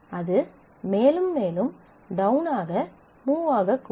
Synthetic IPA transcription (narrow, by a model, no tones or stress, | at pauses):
ɐðɯ | meːlɯmːeːlɯm | ɖɐʊnaːɣɐ | muːʋaːɣɐkː